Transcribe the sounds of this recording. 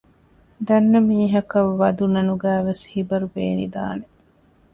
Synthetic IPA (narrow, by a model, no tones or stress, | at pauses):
d̪ɐnːɐmiːɦɐkɐʋːɐd̪unɐnuɡæːʋeshibɐɾubḛːnḭd̪a̰ːne